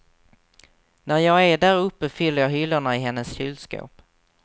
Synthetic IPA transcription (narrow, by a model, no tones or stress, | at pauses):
næɾjɑːɡæɖæɾɵpːəfʏlːəɾjɑːɦʏlːaɳaɪɦɛnːəsɕʉːlsko̰ːp